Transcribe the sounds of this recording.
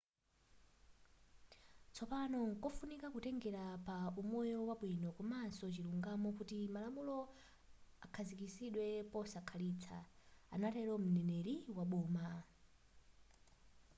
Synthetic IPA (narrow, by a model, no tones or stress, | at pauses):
t͡sʰɔpanɔŋkɔfunikakutɛŋɡɛɾapaumɔjɔwaɓwinɔkɔmansɔt͡ʃiluŋɡamɔkutimalamulɔ | akʰazikisiɗwɛpɔsakʰaliːt͡sʰa̰a̰natɛlɔm̩nɛnɛɾiwaɓuːma